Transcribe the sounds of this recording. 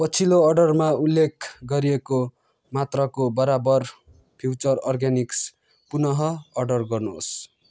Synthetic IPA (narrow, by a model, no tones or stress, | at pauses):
pʌt͡sʰiloːrɖʌrmaulːekʰɡʌɾieko | mat̪rʌkobʌɾabʌr | pʰjuwt͡sʌrʌrɡaniks | punʌɦʌːɖʌrɡʌrno̰s